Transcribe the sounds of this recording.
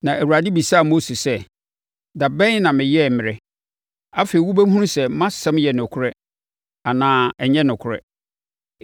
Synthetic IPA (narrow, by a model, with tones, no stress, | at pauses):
nã˨ʔæ˨wu˨ɾa˨dɪ˦bi˨saː˦˨mo˦si˨sɛ˦ | da˨bɛ̃˦nã˨mɪ̃˨jɛ˦˨mɪ̃˨ɾɛ˦ | a˦fe˨i˨˦wu˦bæ˦ɦũ˦ũ˦sɛ˨mã˦sɛ̃˦mjɛ˨nʊ̃˨kʰʊ˦ɾɛ˦ | a˨nãː˦ɛ˨ɲɛ̃˦nʊ̃˨kʰʊ˨ɾɛ̰˦